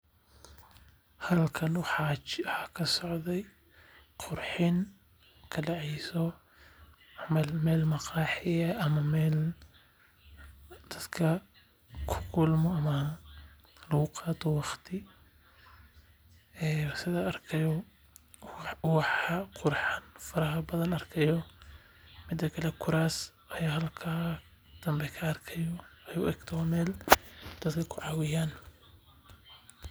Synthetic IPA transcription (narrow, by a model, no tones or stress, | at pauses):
hɐðlkʰɐnwɑħɑt͡ʃwħɑːkʰɐsɔʕðɛj | qʰʊrħɪn | kʰɐɖɑʕɛjsɔ | lmɛːlmɑqɑːħɪjɐʔɐmɐmɛːl | d̪̥ɐd̪̥kʰɐ | kʰʊ̥kʰʊlmɔɐmɐ | lɐɣʊqɑːt̪ɔwɑχt̪ʰɪ | ɛːsɪðɐɐrkʰɐjɔ | wɑħɐqʊɾħɑnfɐɾɐɦɐbɐðɐnɐrkʰɐjɔ | mɪd̪ɐkʰɐlɛkʰʊɾaːs | ʔɐjaːɦɐlkʰaː | d̪̥ɐmbɛkʰɐːrkʰɐjɔɐjuʔɛɡ̥t̪ʰɔmɛːld̪̥ɐd̪kʰɐkʰʊʕɑwɪjaːn